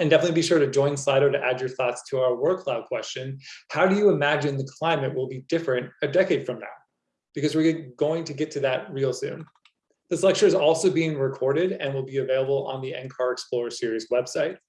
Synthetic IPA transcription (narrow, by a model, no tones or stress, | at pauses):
ɨ̃ndɛfənɨtˡlibiʃʊɹɾɨd͡ʒɔ̃ɪ̃nslaɪɾoʊɾɨʔæd͡ʒə˞θɔtstʰəaʊə˞wɜ˞kʰl̥aʊkʰw̥ɛst͡ʃɨ̃nhaʊɾɨjɨɨmæd͡ʒɨ̃nðɨkʰl̥ãɪ̃mɨʔ̚wəlˠbidɪfɹɨ̃ntɨdɛkeɪd̥fɹʌ̃mna̰ʊ | b̥ɨkʰʌzwɨɹɡ̥oʊɪ̃ŋtʰɨɡɛtʰɨðɨt̚ɹilˠsʉ̰̃n | ðɨslɛk̚t͡ʃə˞ɨzɔlˠsoʊbiɪ̃ŋɹɨkʰɔɹɾɪɾɨ̰̃nwəlˠbiɨveɪlˠəbl̩ˠə̰̃nðiɛ̰̃nkʰɑɹɨksplɔɹə˞sɪɹizwɛb̥saɪt̚